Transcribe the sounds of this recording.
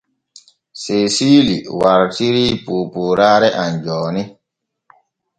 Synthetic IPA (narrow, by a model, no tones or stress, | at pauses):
sesiːliwaɾtiɾipuːpuːɾaːɾɛʔand͡ʒɔːni